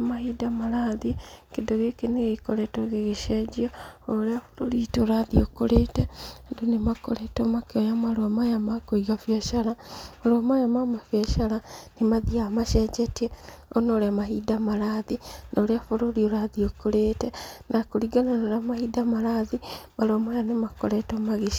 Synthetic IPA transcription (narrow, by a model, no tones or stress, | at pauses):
mahidamaɾaðikedoɣekeneɣekoɾɛtoɣeɣeʃɛd͡ʒiɔoɾeafo̥ɾoɾitoɾaðiokoɾeːtɛndonemako̰ɾetomakeojamaɾwamajamakoiɣafɛʃaɾamaɾamajamamafjɛʃaɾanemaðiamaʃɛd͡ʒɛtiɛɔnoɾeamaɦidamaɾaðinaɾeafoɾoɾioɾaðiokoɾeːtɛnakoɾiɡananoɾeamahiːdamaɾaðimaɾwamajanemako̰ɾɛtɔmaɣeʃ